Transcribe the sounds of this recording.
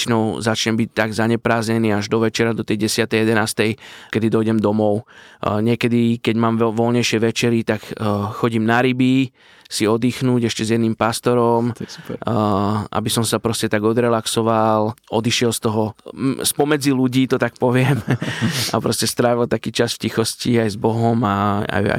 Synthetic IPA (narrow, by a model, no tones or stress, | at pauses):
t͡ʃnɔʊzat͡ʃɲɛmbic̚t̪aɡzaɲɛpɾaːzɲɛniːaʒd̪ɔʋɛt͡ʃɛɾad̪ɔt̪ɛjɟɛsɪat̪ɛjjɛd̪ɛnaːst̪ɛjkɛd̪id̪ɔjɟɛmd̪ɔmɔʊɲɪɛkɛd̪ikɛɟmaːmʋɔlɲɛjʃɪɛʋɛt͡ʃɛɾit̪akxɔɟiːmnaɾibi | siɔd̪iːxnuːɟɛʃcɛzjɛd̪niːmpast̪ɔɾɔmu̥ɾʔa̰bisɔmsapɾɔscɛt̪aɡɔd̪ɾɛlaksɔʋalɔd̪iʃɪɛlst̪ɔɦɔspɔmɛd͡ziluɟiːt̪ɔt̪ak̚pɔʋɪɛm | a̰pɾɔscɛst̪ɾaːʋilt̪akiːt͡ʃasfcixɔsciajzbɔɦɔmaa̰ja̰